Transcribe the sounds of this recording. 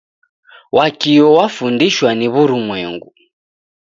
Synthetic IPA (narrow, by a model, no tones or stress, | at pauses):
wʔakiɔwafundiʃwaniβuɾumwɛŋɡu